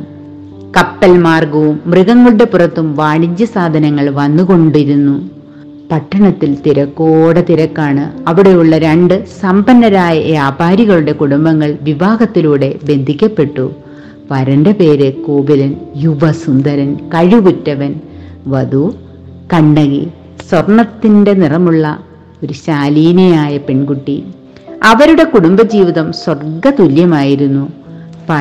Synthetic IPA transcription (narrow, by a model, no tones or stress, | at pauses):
kɐpːɐlmaːrɡɐʋumːriɣɐŋːɐɭuɽe̞pːurɐt̪ːumʋaːɳit͡ɕːjɐsaːd̪ʱɐnɐŋːɐɭʋɐnːuko̞ɳɖiɾunːu | pɐʈːɐɳɐt̪ːilt̪iɾɐkːooːɽɐt̪iɾɐkːaːɳɨɐʋiɽe̞juɭːɐɾɐɳɖɨsɐmbɐnːɐɾaːjɐʋjaːbʱaːɾiɣɐɭuɽe̞kuɽumbɐŋːɐɭʋiʋaːɡɐt̪ːiluːɽe̞be̞nd̪ʱikʲːɐpːe̞ʈːu | ʋɐɾɐndepe̞ːɾekoːbilɐnjuʋɐsund̪ɐɾɐnkɐɻukutːɐʋɐnʋɐd̪u | kɐɳːɐɣḭ | swɐrɳɐt̪ːinde̞nirɐmuɭːɐ | o̞ɾuɕaːliːnejaːjɐpe̞ɳɡuʈːi | ɐʋɐɾuɽe̞kuɽumbɐd͡ʑiːʋiðɐmswɐrɡɐt̪uljɐmaːjiɾunːu | pɐ